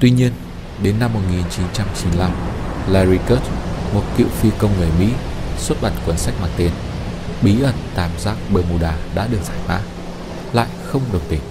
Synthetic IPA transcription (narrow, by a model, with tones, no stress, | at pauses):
t̪wi˧ɲi˧ən | ɗe˨˦nːa˧mːo˨˩t̚ŋi˨˩nt͡ɕi˨˦nt͡ɕa˧mt͡ɕi˨˦nla˧mlaː˧ɾi˧kəː˦˥t̚mo˨˩t̚kḭ˧˨wfi˧kə˧wŋ͡mŋɨ˨˩əjmḭ˧˥swu˦˥t̚ɓa˨˩nkwə˨˦nsa˦˥jk̚maː˧˩nt̪e˧n | ɓi˨˦ʔə˧˩nt̪aː˧˩mzaː˦˥k̚ɓəː˧mu˧˩ɗaː˧˩ɗa̰ː˧˥ɗɨ˨˩ək̚faː˧˩j̚ma̰ː˧˥ | la̰ː˧˨jxə˧wŋ͡mɗɨ˨˩wŋ͡mt̪ï˨˩ŋ̟